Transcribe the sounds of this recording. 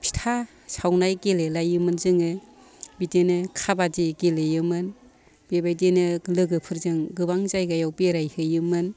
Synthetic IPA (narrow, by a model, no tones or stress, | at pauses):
pʰi̥tʰa | sawnajɡelelajɯmɯnzɯŋɯ | bidenɯkʰabadiɡelejɯmɯn | b̥ebajdenɯlɯɡɯpʰɯɾzɯŋɡɯbaŋzajɡajawbeɾajhɯjɯmɯn